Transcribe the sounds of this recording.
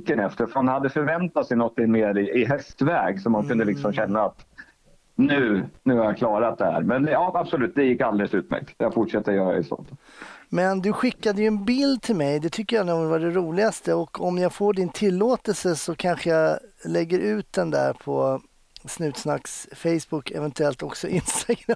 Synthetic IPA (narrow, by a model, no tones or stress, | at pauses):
kːənɛft̪əɾfhanhad̪ːəfœɾvɛnt̪at̪sɛɪnɔt̪ʰːɪŋmeːɾɪʔɪɦɛst̪vɛːɡsɔmːankɵnd̪əlɪksɔmɕɛnːaːt̪ | nʉ̟ːnʉ̟ːhaɾjakʰlɑːɾat̪̚d̪ɛhæ̰ːɾmɛnjɑːab̥sɔlʉ̟ːt̪̚d̪ɛjɪkːald̪ɛləsʉ̟ːt̪mæ̰ɾk̚t̪jaɡfʊʈʂɛt̪ːəɾɔjœːɾaɛ̰sɔ̰nt̪ | mɛnd̪ɵɧɪkːad̪əjɵɛnbɪld̪̚t̪ʰɪlmɛjd̪ɛt̪ʰʏkːəjanuːvaɖɛɾuːlɪɡast̪əɔkʰɔmjafoːɖɪnt̪ʰɪlːoːt̪ɛlsəsɔkʰanɧəjalɛɡːəɾʉ̟ːt̪̚d̪ɛnd̪æ̰ːɾpʰɔ | snʉ̟ːt̪snaksfɛjsbʊkːʰɛ̰vɛnt̪ɵɛlt̪ɔksɔʔɪnst̪aɡɾa